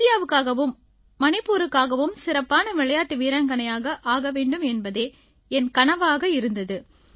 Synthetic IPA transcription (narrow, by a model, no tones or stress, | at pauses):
ɪjaːʋɯkːaːɣɐʋɯmː | ɐnɪpːuːɾɯkːaːɣɐʋɯmsɪɾɐpːaːnɐʋɪɭɐjaːʈːɯʋiːɾaːŋɡɐnɐjaːɣɐʔaːɣɐʋeːɳɖɯmɛnbɐðeː | ɛnkɐɳɐʋaːɣɐɪɾɯnd̪ɐðɯ